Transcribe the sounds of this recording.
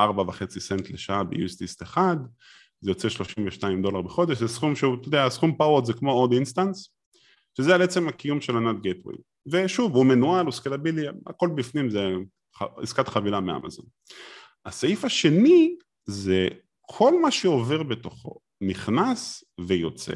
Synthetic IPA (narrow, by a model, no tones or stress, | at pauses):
ʔaʁbavaχe̞t͡sisentleʃaabejṵest̪ist̪eχad̪ | zejo̞t͡seʃlo̞ʃimveʃnaimd̪o̞laʁbeχo̞d̪eʃ̬zesχumʃeut̪od̪easχumpawotzekmo̞od̪inst̪ans | ʃezealeet͡se̞makijumʃelanat̪̚ɡepʁḭ | ve̞ʃuvumenualuskelabilia̰ko̞lbifnimze | χaḭskat̪χavilamea̰ma̰zo̞̰n | asaifaʃe̞ni | ze | kʰo̞lmaʃeo̞ve̞ʁbe̞to̞χo̞̰ | niχnasvejo̞t͡sḛ